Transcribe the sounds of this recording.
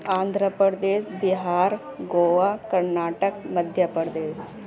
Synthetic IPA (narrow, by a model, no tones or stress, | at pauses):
and̪ʱɾəpɾəɾd̪eːsbiɦaːɾ | ɡoːʋakəɾnaːʈəkməd̪ʱjəpəɾd̪eːs